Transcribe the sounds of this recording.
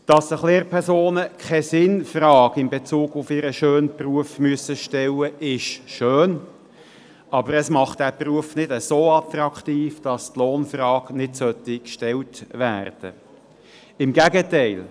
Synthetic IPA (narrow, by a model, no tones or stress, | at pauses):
d̥ɑsəχleːɾpʰɛɾsoːnəkʰɛsɪnfrɑːɡɪmbet͡suːɡʊfɪɾəʃøːnpruəfmyəsəʃtɛlːəʔɪʃʃøːn | ɑbəɾəsmɑχt̚d̥æpruəfnɪd̥əsoːɑt̪ɾɑkχt̪iːfd̥ɑst̪loːnfrɑːknɪdsœt̪ikʃtɛltʋæ̰ːrd̥ə̰ | ɪmɡæɡətɛɪl